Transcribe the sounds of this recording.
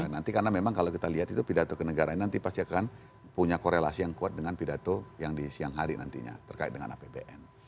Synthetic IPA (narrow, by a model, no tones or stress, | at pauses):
nant̪ikaənamemaŋkalowkit̪aliɦat̪it̪upidat̪okənəɡaɾaɲanant̪ipast̪iakan | puɲakoɾelasijaŋkuat̪̚dəŋanpidat̪ojaŋdisiaŋɦaɾina̰nt̪ḭɲa̰t̪ərkaɪ̰it̪̚dəŋa̰na̰pebḛʔɛn